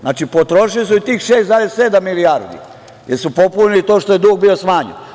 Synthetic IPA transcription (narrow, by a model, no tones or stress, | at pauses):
znaːt͡ʃipo̞t̪ɾo̞ʃilis̬uit̪iːxʃeːst̪zaːd̪esse̞d̪amːilijaɾd̪ḭ | jeɾsupo̞puɲilit̪o̞ːʃt̪ojed̪uːɡbio̞smaːɲḛn